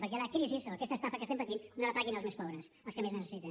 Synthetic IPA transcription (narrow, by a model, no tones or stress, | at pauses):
pəɾk̬ɛləkiɾisisoɐkɛst̪əst̪afəkəsempət̪innələpaɣinəlˠzmespɔβɾəsəlˠskəmeznəsəsit̪ən